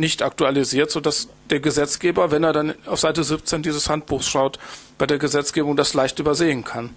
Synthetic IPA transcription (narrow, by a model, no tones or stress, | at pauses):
nɪçtʔak̚tualiziːɐtz̥oːdas | d̥eːɐɡəzɛt͡sɡ̥eːbɐvɛneːɐdanaʊfz̥aɪtəzɪp̚t͡seːndiːzəshantb̥uːxsʃaʊtb̥aɪdeːɐɡəzɛt͡sɡ̥eːbʊŋdaslaɪçtʔyːbɐzeːənkʰan